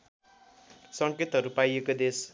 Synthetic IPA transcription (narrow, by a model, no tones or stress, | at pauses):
sʌŋket̪ɦʌɾupajekod̪es